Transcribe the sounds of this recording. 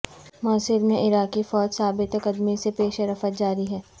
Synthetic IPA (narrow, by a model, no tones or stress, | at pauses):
mɔːsɪɾmẽʔɪɾaːkifɔːd͡ʒsaːbɪt̪ɐkəd̪misepeːʃəɾɐfət̪̚d͡ʒaːɾiɦɛː